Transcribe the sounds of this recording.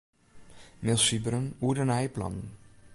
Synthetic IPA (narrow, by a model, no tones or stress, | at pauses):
mɪsibɾənudənajplɑ̰nn